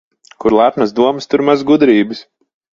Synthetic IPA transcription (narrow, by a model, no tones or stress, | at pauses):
kuɾlˠapnasd̪uɔmɨst̪uɾmazɡud̪ɾiːbɨs